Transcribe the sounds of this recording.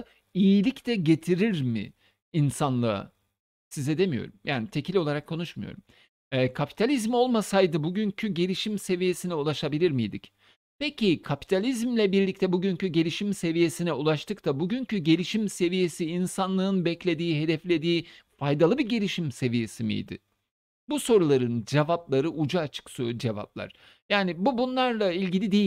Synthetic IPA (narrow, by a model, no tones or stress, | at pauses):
ijilʲict̪ʰɛɟe̞t̪ʰiɾiɾmɪ̰ː | nsanlˠɯa̰ | sizɛd̪e̞mijo̞̰ɾumjaːnit̪ʰecʰilʲolˠaɾakʰːo̞nuʃmujo̰ɾum | ɛːkʰapʰi̥t̪ʰalʲizmo̞lˠmasajd̪ɯbuɟyncʰyɟe̞lʲiʃimse̞vije̞sinɛulˠaʃabilʲiɾmijd̪ic | pecʰikʰapi̥t̪ʰalʲizmlʲɛbiɾlʲict̪ʰɛbuɟyncyɟe̞lʲiʃimse̞vije̞sinɛulˠaʃt̪ʰɯkt̪ʰabuɟyncʰyɟe̞lʲiʃimse̞vije̞siːnsanlˠɯɯnbɛclʲe̞d̪iːɦe̞d̪ɛflʲe̞d̪iːfajd̪alˠɯbiɟelʲiʃimse̞vije̞simḭjd̪ɪ̰ | buso̞ɾulˠaɾɯnd͡ʒevaplˠaɾɯʔud͡ʒaːt͡ʃʰɯ̥ksod͡ʒeva̰p̚lˠa̰ɾ̥ | jaːnɪbubunlˠaɾlˠailʲɟilʲid̪ejʲ